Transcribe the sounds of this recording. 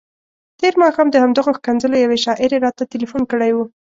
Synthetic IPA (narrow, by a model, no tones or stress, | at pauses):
t̪eɾmɑxɑmd̪əhamd̪aɣoxkanzəlojaweʃɑʔɪɾeɾɑt̪at̪ɪlifunkəɽajwu